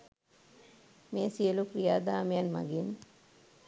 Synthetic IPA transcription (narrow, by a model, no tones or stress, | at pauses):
meːsiəlukɾijaːd̪aːmejanma̰ɡin